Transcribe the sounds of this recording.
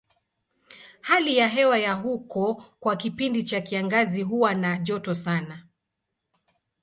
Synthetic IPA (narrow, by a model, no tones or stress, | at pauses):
halijaɦɛwajaɦukɔkwakipindit͡ʃakiaŋɡaziɦuwanaʄɔtɔsana